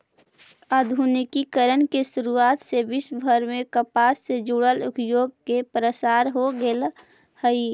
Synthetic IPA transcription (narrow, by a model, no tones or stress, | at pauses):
ad̪ʱunɪkikəɾənkeʃʊɾuaːt̪sebɪʃbʱəɾmẽkəpaːsːed͡ʒuɽəlʊpjoːɡ̚kepɾəsaːɾɦoɡel | həi